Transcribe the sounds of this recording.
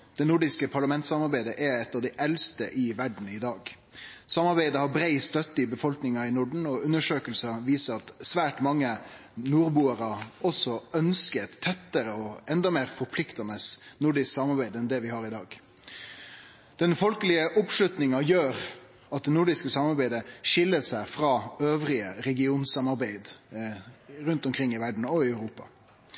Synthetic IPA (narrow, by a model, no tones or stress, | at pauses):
d̪̥ɛnʊɖɪskəpʰɑɾɭɑmɛnt̪sɑmɑɾbæɪd̪əʔɛɛt̪ːɑʋd̪ɛɪʔɛlst̪əʔɪʋæɖɳ̩ɪd̪ɑːɡ | sɑmɑɾbæɪd̪əhɑɾbɾæɪst̪œt̪ːəɪbəfɔlknɪŋɑɪnʊɖɳ̩ɔʉnːəʂøːkəlsɑʋiːsəɾɑt̪sʋæːʈmɑŋːə | nuːɾbuːəɾɑɔsɔœnskət̪ʰːɛt̪ːəɾəɔɛnd̪ɑmeːɾfɔɾpʰlɪkt̪ɑnəsnʊɖɪsksɑmɑɾbæɪd̪ɛnd̪ɛʋɪhɑːɾɪd̪ɑːɡ | d̪̥ɛnfɔlkəlɪəʔʊpʂlʉt̪nɪŋɑjøːɾ | ɑt̪̚d̪ɛnʊɖɪskəsɑmɑɾbæɪd̪əʂɪlːəsæɪfɾɑːøːʋɾɪəɾɛɡɪuːnsɑmɑɾbæɪd̪ | ɾʉnt̪ɔmkʰɾɪŋːɪʋæɖɳ̩ɔɪœʉɾuːpɑ